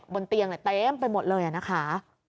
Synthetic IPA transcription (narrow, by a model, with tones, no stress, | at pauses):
bo˧nt̪i˧əŋna˨˩t̪eː˦˥mpa˧jmo˨˩t̪̚lɤː˧jʔa˨˩na˦˥kʰa˦˥